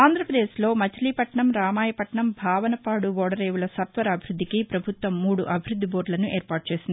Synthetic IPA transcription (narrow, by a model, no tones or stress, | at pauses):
aːnd̪ʱɾɐpɾɐd̪eːsloːmɐt͡ʃɐliːpɐʈɳɐmɾaːmaːjɐpɐʈɳɐmbʱaːʋɐnɐpaːɽubɔːɽɐɾeːʋulɐsɐt̪ʋɐɾɐɐbʱiɾud̪ʱːikipɾɐbʱut̪ʋɐmːuːɽuʔɐbʱiɾud̪ʱːibo̞ːɾɖlɐnuʔeːɾpaːʈ̚t͡ʃe̞ːsind̪i